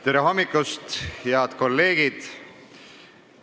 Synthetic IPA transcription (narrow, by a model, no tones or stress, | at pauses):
t̪eɾeɦo̞mːikːˑust̪heɑt̪ko̞lːe̞ːɡid̪̥